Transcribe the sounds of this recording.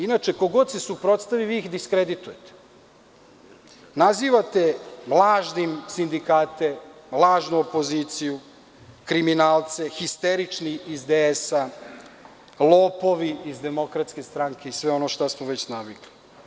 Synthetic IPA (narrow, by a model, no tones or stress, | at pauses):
inat͡ʃe̞ko̞ɡo̞d̪se̞supɾo̞t̪st̪aʋiʋiixd̪iskɾe̞d̪it̪uje̞t̪e̥ | naziːʋat̪e̞mlˠaːʒnimsind̪ikaːt̪e̞mlˠaːʒnuopoziːt̪siju | kɾiminaːlˠt̪se̞xist̪eɾit͡ʂniizd̪eesa | lˠoːpo̞ʋiizd̪e̞mo̞kɾat̪ske̞st̪ɾaŋke̞isʋe̞o̞no̞ʃt̪asmoʋe̞t͡ɕnaʋiɡli̥